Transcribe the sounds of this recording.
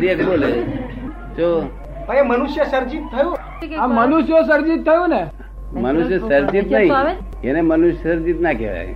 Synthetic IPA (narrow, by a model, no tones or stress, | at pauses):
ɾiekbole | t͡ʃo | pə̃emənuʃjəsəɾd͡ʒit̪ʰːəjũ | amːənuʃjəsəɾd͡ʒit̪ʰːəjõne | mənuʃ̬jəsəɾd͡ʒit̪naɦĩ | kenemənuʃjsəɾd͡ʒit̪nakḛʋa̰j